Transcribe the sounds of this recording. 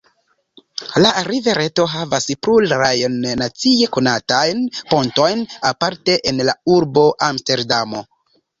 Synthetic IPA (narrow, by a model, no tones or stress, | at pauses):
laɾive̞ɾe̞to̞ɦavaspɾulɾajnːat͡sie̞konatajnpo̞nto̞jnapaɾte̞ʔenlauɾbo̞ʔamste̞ɾdamo̞̰